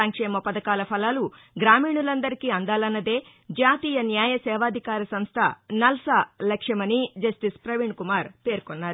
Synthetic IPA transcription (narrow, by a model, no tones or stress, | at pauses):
ɐŋkʂɛːmɐpɐd̪ɐkaːlɐpʰɐlaːlu | ɡɾaːmiːɳulɐnd̪ɐɾikiɐnd̪aːlɐnːɐd̪eː | d͡ʒaːt̪iːjɐnjaːjɐsɛːʋaːd̪ʱikaːɾɐsɐmst̪ʰɐnɐlsalɐkʂɐmɐnid͡ʒɐst̪ispɾɐʋiɳɖkumaːɾpeːɾkonːaːɾu